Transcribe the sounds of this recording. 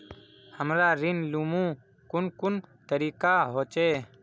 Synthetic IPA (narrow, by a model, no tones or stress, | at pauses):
həmɾaɾinlumũ | kʊnkʊnt̪əɾikaɦot͡ʃɛ